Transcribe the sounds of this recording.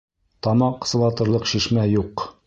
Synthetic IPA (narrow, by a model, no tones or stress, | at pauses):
t̪ɒmɑɴqɤ̥̆s̆lˠɑt̪ɤ̆ɾlˠɤqʃiʃmæjuq